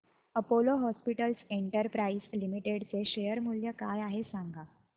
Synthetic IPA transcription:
əpoloɦɔspiʈəlseɳʈəɾpɾaislimiʈeɽt͡seɕejəɾmuljəkajaɦesaŋɡa

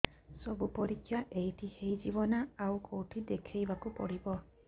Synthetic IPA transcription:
sɔbupɔɾikʰːjaʔejtihejd͡ʒibɔnaawkowʈʰid̪ekʰejbakupɔɽibɔ

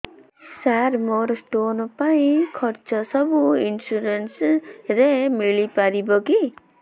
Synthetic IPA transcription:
saɾmɔɾsʈonɔpaĩkʰɔɾt͡ʃɔsɔbuinsuɾensɾemiɭipaɾibɔɡi

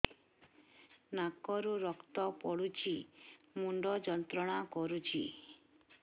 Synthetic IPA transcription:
nakɔɾuɾɔkt̪ɔpɔɽut͡ʃʰimuɳɖɔd͡ʒɔnt̪ɾɔɽ̃akɔɾut͡ʃʰḭ

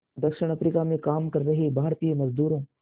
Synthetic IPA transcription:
d̪ɐkʃɪɽ̃ɐpɾikamẽkaːmkɐɾːɐɦibʱaːɾt̪ijemɐzd̪uːɾõː

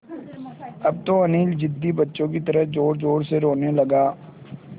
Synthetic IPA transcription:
ɐb̚t̪oɐniːld͡ʒɪd̪ːibɐtːʃõkit̪ɐɾəɦd͡ʒoːɾd͡ʒoːɾseɾoːnelɐɡaː

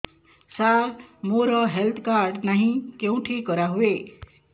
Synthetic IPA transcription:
saɾmoɾʌɦelt̪ʰkarɖnaɦĩkjew̃ʈʰikʌɾaɦue

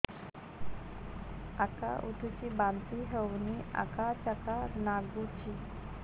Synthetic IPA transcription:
aka̰ʔuʈʰut͡ɕibant̪iɦəwnia̰kat͡ɕakanaɡut͡ɕi

